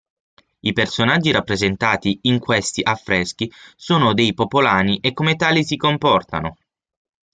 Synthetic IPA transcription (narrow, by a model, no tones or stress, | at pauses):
ipersonad͡ʒːiɾapːɾezent̪aːt̪iːŋkwest̪iʔafːɾɛsk̟isoːnod̪ejpopolaːniʔekːomet̪aːlisikompɔrt̪a̰no